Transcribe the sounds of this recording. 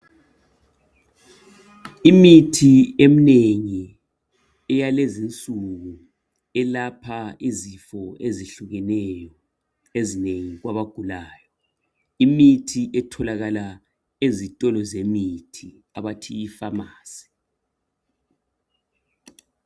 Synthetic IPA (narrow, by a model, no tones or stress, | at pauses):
imitʰiem̩neŋi | ɛjalezint͡sʼuɣu | ɛlapʰaizifɔeziɬuɣɛnɛjɔ | ezineŋiɣwaβaɡ̥ʱulaːjɔ | imitʰiʔɛtʰɔlaɣala | ezitʼɔlɔzemitʰi | a̰βatʰijifamaːsi̥